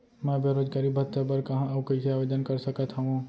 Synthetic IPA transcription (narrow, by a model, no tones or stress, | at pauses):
mɛ̃beɾoːd͡ʒɡaːɾibʱɐɾt̪ːəbəɾkɐɦãɐʋkəsʰiaːʋeːd͡ʒ̪ənkɐɾsəkət̪ɦɐɦũ